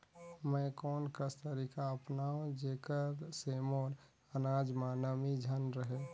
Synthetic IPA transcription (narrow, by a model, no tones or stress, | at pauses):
məkɔːnkəst̪əɾikaəpnaõd͡ʒekəɾsemoːn | ənad͡ʒmanəmid͡ʒʱənɾəɦe